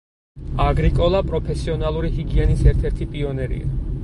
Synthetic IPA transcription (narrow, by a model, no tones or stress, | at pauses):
aɡɾikʼɔlˠapʼɾɔpʰɛsiɔnalˠuɾiɦiɡiɛnisɛɾt̪ʰɛɾt̪ʰipʼiɔnɛɾḭa̰